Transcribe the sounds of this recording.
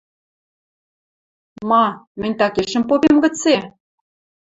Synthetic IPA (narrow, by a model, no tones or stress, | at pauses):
mɑmɘ̆nʲt̪ɑkeʃə̆mpopemɡə̆t͡se